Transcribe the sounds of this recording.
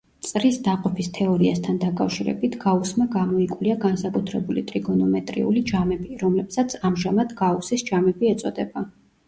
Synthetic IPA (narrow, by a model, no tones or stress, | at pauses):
t̪sʼɾisd̪aqʼɔpʰist̪ʰɛɔɾiast̪ʰand̪akʼafʃiɾɛ̰bit̪ʰɡ̥ausmaɡamɔikʼwliaɡansakʼut̪ʰɾɛbulit̪ʼɾiɡɔnɔmɛt̪ʼɾḭṵlid͡ʒamɛbiɾɔmlɛpsat̪sʰamʒamad̪ɡausisd͡ʒamɛbiɛt̪sʼɔd̪ɛba